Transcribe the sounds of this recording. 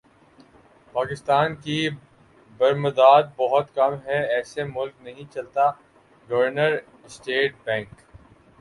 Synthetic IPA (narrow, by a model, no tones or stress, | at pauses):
paːkɪst̪aːnki | bɐɾmɐd̪aːd̪̚bɔɦʊt̪kɐmɦɛɛːsemʊlknɐɦĩt͡ʃɐlt̪a | ɡɐʋəɾnəɾ | ɪsʈeːʈ̚bɛ̃ːŋk